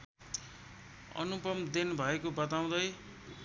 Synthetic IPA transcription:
ʌ̰nupʌmd̪enbʱʌekobʌt̪aw̃d̪ʌj

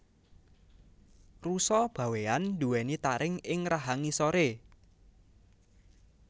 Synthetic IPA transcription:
rusɔb̥ä̤weanduwɛnit̪aɾɪŋɪŋraɦaŋisoɾe

